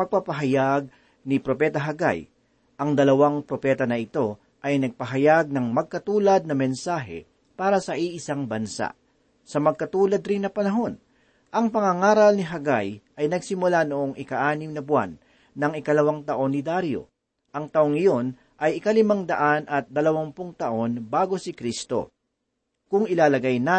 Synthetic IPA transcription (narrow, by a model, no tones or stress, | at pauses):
pɐɡ̚pɐpɐɦɐjaɡ̚ | nɪpɾo̞pɛt̪ɐɦɐɡa̰j | ʔɐŋd̪ɐlɐwaŋpɾopɛːt̪ɐnɐʔɪt̪o̞ | ʔɐjnɐɡ̚pɐɦɐjaɡ̚nɐŋmɐɡ̚kɐt̪uːlɐd̪̚nɐmɛnsaːɦɛ̰ | paːɾɐsɐʔiʔɪsaŋbɐnsa̰ʔ | sɐmɐɡ̚kɐt̪uːlɐd̪ɾɪnːɐpɐnɐɦo̞n | ʔɐŋpɐŋɐŋaːɾɐlnɪɦɐɡajʔɐjnɐɡsɪmʊlanoʔo̞ŋʔɪkɐʔaːnɪmnɐbʊa̰nː | ɐŋɪkɐlɐwaŋt̪ɐʔo̞nːɪd̪aɾjo̰ | ʔɐŋt̪ɐʔoŋɪjo̞n | ʔɐjɪkɐlɪmaŋd̪ɐʔanʔɐt̪̚d̪ɐlɐwɐmpʊŋt̪ɐʔo̞nbaːɡo̞sɪkɾist̪o̞̰ | kʊŋɪlaːlɐɡajna